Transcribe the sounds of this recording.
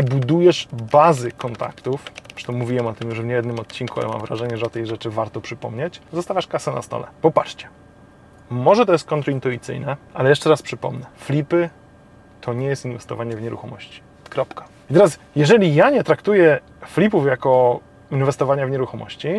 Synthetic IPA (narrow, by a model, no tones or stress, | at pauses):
bud̪ujɛʂbazɘkɔnt̪a̰kt̪ufpʂɛ̥t̪ɔmuvʲiwɛmɔt̪ɘmjuʐvɲɛjɛd̪nɘmɔt̪̚t͡ɕːinkuɔ̰lɛ̰ma̰mvɾa̰ʐɛɲɛʐɛɔt̪ɛjʐɛt͡ʂɘvaɾt̪ɔpʂɘpɔ̰mɲet͡ɕ̪zɔst̪avʲaʂkasɛna̰st̪ɔ̰lɛ̰pɔpat͡ʂt͡ɕɛ̥ | mɔʐɛt̪ɔjɛst̪̚kɔnt̪ɾɔint̪uit̪sɘ̰jnɛalɛjɛʂt͡ʂɛɾaspʂɘpɔ̰mnɛflʲipɘ | t̪ʰɔɲɛjɛst̪invɛst̪ɔvaɲɛvɲɛɾṵxɔmɔɕt͡ɕi̥ | kɾɔpkḁ | it̪ɛɾasjɛʐɛlʲijaɲɛt̪ɾakt̪ujɛ | flʲipufjakɔ | invɛst̪ɔvaɲavɲɛɾuxɔmɔ̰ɕt͡ɕi